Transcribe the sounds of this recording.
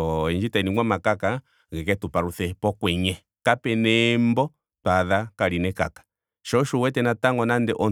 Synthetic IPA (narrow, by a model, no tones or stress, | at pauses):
ɔɛɲd͡ʒitainiŋwamakaka | ɣɛkɛtupaɾuθɛpɔkwɛɲɛ | kapɛnɛmbɔ | taðakaɾinɛkakḁ | ʃɔʃuwɛtɛnataŋɡɔnandɛʔɔ